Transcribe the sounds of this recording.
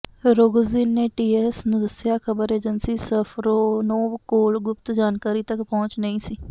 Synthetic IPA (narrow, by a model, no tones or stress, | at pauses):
ɾoːɡziːnːeːʈiːɛːsnũːd̪əsjaːkʰəbəɾeːd͡ʒənsiːsəpʰɾoːnoːbkoːlɡʊp̚t̪d͡ʒaːnkaːɾiːt̪əkpɔ̃ːt͡ʃnəĩːsiː